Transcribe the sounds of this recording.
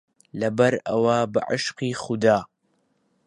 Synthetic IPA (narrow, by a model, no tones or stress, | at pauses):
lɐbɐɾɐwaba̰ʕɪʃqiːxʊd̪aː